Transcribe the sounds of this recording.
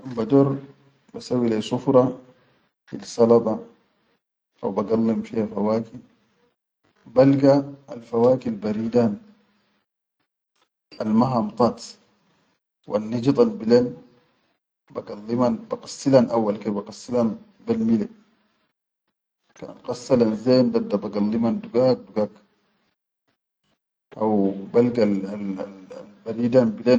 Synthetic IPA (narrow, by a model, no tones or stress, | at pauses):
ambad̪oɾˤ | basawilesufɾˤɑ | filsɑlɑt̪ˤɑ | ʔa̰wbaɡalːimfihafawaːkin | balɡaːlfawaːkilbaɾiːd̪aːn | almaɦamt̪ˤɑt̪ | wʔa̰nːid͡ʒt̪ˤalbilen | baɡalːimanbaqɑ̥sːilanʔawːalkebaqɑsːilan | balmile | ka̰qɑsːalanzeːnd̪ad̪abaɡalːimand̪uɡak̚duɡak | ʔawbalɡaallbaɾidanbilen